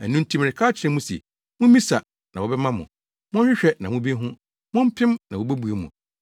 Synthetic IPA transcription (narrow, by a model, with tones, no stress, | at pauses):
æ˨nũ˦n̩˦tʰi˦m˨ɾɪ˨kʰa˦t͡ɕʰɪ˨ɾɪ̃˦mũ˦sɛ̰˨ | mũ˦mĩ˦sa˨ | nã˨wɔ˨bɛ˦mã˦mʊ̰̃˨ | mʊ̃˦ɪ˦ɕᶣɛ˦nã˨mũ˦bi˦ɦʊ̃˦ | mʊ̃˦m̩˦pʰɪ̃˦mnã˨wo˨bæ˦bu˨e˨mṵ̃˨